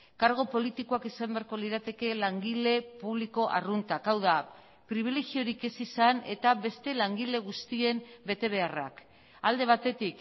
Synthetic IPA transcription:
kaɾɣ̞o̞po̞lit̪iko̞akisambe̞aɾko̞liɾat̪e̞ke̞laŋɡile̞puβliko̞ʔa̰runt̪akawða | pɾiβ̞ileɣio̞ɾike̞sisane̞t̪aβe̞st̪e̞laŋɡile̞ɣ̞ust̪ie̞mbe̞t̪e̞β̞e̞ara̰k | ald̪e̞β̞at̪e̞t̪ik

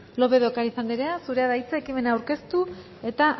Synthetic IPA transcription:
lo̞βe̞ðokaɾisand̪iɾe̞asuɾe̞aðajt͡saekime̞naːwɾke̞st̪u | e̞t̪aʔ

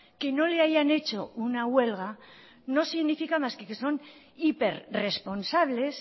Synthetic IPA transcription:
ke̞no̞le̞aʝane̞t͡ʃo̞unaɣwe̞lɣ̞a | no̞siɣnifikamaskekeso̞n | ipe̞ɾre̞spo̞nsaβ̞le̞s

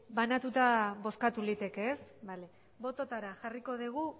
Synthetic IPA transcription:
banat̪ut̪aβo̞skat̪ulit̪e̞ke̞ːsβale | βo̞t̪o̞t̪aɾaʝariko̞ðiɣ̞u

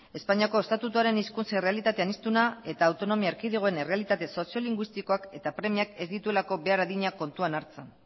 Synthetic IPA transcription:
e̞spaɲiako̞e̞st̪at̪ut̪uaɾe̞niskunt͡sere̞alit̪at̪e̞anist̪unae̞t̪aːwt̪o̞no̞miaeɾkiðiɣ̞oe̞nere̞alit̪at̪e̞so̞sio̞liŋɡwist̪iko̞ake̞t̪apɾe̞miake̞zd̪it̪ue̞lako̞βe̞aɾaðiɲako̞nt̪uanaɾt͡sen

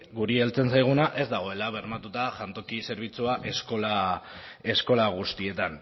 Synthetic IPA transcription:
ɡuɾielt͡se̞nsajɣ̞unaʔe̞zd̪aɣ̞o̞e̞laβ̞e̞ɾmat̪ut̪aʝant̪o̞kise̞ɾβ̞it͡suaʔe̞sko̞la | e̞sko̞laɣ̞ust̪ie̞t̪an

